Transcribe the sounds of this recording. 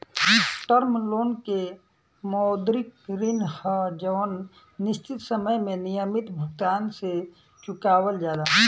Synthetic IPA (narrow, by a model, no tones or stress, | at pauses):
ʈəɾmloːnke | mɔːd̪ɾɪkɾinhəd͡ʒənː | ɪst͡ʃɪt̪səməjmẽnijəmɪt̪bʱʊɡ̚t̪aːnse | t͡ʃʊkaːwəld͡ʒaːd̪aɦ